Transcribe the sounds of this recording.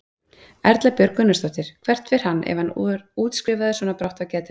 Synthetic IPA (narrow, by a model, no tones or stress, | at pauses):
ɛɾt̪lapjœɾkʏnːʏst̪ɔht̪ɪɾ̥kʰvɛr̥t̪fɪɾ̥hanːʔɛ̰vhanuːt̪skɾɪːvaðɪsvɔːnapɾawht̪acɛːt̪ɪ̥